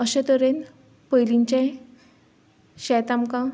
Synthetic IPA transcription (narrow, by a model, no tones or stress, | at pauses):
əɕet̪əɾen | pəjliɲt͡ɕẽ | ɕɛt̪amkã